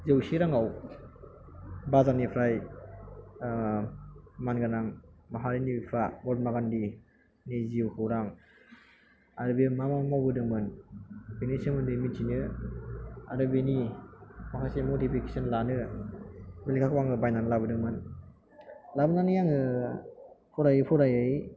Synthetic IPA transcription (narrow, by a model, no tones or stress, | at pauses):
zewsiɾaŋaw | bazanipʰɾaj | manɡanaŋmaɦaɾinipʰabɔt̚maɡandi | niziwkʰɯwɾaŋ | aɾɯbimamamawbɯdɯŋmɯnbenisɯŋmɯndɯmint͡ʃinɯ | a̰ɾɯbeni | makʰasemotipʰikesɔnlanɯ | belikʰakʰwaŋɯbajnanlabɯdɯŋmɯn | labɯnanɯjaŋɯ | pʰɔɾajɯpʰɔɾajɯj